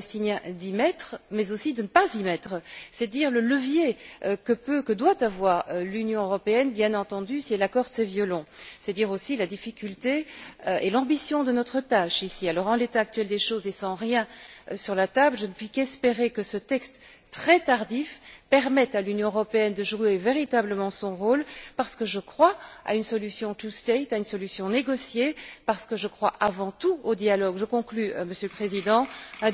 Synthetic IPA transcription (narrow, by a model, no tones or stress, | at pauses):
st̪injɛ̃d̪imɛt̪χmɛzosid̪ənəpazimɛt̪χsɛd̪iːʁlələvjeøkəpøkəd̪wat̪avwaʁølynjɔ̃øʁɔpeɛnbjɛ̃nɑ̃t̪ɑ̃d̪ysiɛlakɔʁd̪sɛvjɔlɔ̃sɛt̪d̪iʁosilad̪ifikʲylt̪eʔelɑ̃bisjɔ̃d̪ənɔt̪χət̪aʃisialɔʁɑ̃let̪aːk̚t̪ɥɛld̪eʃoːzesɑ̃ʁjɛ̃syʁlat̪ablʒənəpɥikɛspeʁekəsət̪ɛkst̪ | t̪ːχɛt̪aʁd̪ifpɛʁmɛt̪alynjɔ̃əʁɔpeɛnd̪əʒueveʁit̪abləmɑ̃sɔ̃ʁoːlpaʁsə̥kəʒəkχwaa̰ynsɔlysjɔ̃t̪ust̪et̪aynsɔlysjɔ̃neɡɔsjepaʁsə̥kəʒəkχwaʔavɑ̃t̪uod̪jalɔɡʒəkɔ̃klyəməsjøləpχezid̪ɑ̃ɛ̃